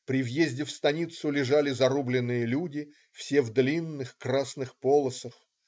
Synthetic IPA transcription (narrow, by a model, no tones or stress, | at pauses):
pɾʲɪvjezʲdʲɪfst̪ɐnʲit̪sʊlʲɪʐalʲɪzɐɾublʲɪnːɨjəlʲudʲɪ | fsʲevd̪lʲinːɨxkɾasnɨxpolˠəsəx